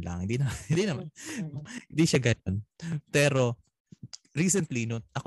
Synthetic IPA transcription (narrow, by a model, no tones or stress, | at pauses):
la̰ŋhɪnd̪inɐmahɪ̃nd̪inɐmanhɪ̃nd̪iʃaɡɐnonpɛːɾo̞ | ɹiːsɛnt̪linot̪ʔɐk